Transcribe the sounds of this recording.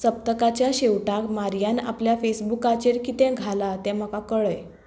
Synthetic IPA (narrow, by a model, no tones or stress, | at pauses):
t͡səp̚t̪əkat͡ɕjaɕewʈakmaɾjana̰pljafesbukat͡ɕeɾkit̪ɛ̃ɡʱalat̪ɛ̃m̤əkakəɭəj